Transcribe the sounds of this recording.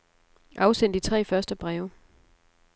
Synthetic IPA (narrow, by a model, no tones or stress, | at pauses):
ʔɑ̈ʊsen̰d̥it͡sʰʁɛ̰ːfɶɐsd̥əb̥ʁɛːʊ